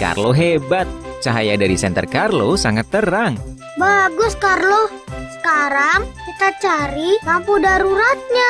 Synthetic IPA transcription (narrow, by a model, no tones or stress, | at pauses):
ka̰rloɦebat̪̚t͡ʃaɦajadaɾisɛnt̪ərkarlosaŋat̪ːəɾaŋ | baɡʊskarlo | sə̥kaɾaŋkit̪at͡ʃaɾimampudaɾuɾat̪̚ɲa